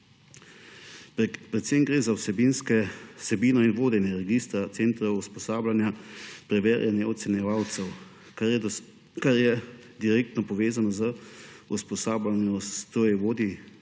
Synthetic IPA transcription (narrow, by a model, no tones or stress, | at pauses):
pɾɛt̪semɡɾeːzawsɛbinskɛsɛbiːnɔinʋoːd̪ɛnjɛɾɛɡist̪ɾat̪seːnt̪ɾɛwuspɔsaːblanjapɾɛʋḛːɾjʔanjɛɔt̪sɛnjɛʋaːwt̪sɛw | kaɾjɛ | d̪iɾeːk̚t̪nɔpɔʋeːzanɔzəuspɔsaːbanjɔst̪oːjɛʋoːd̪i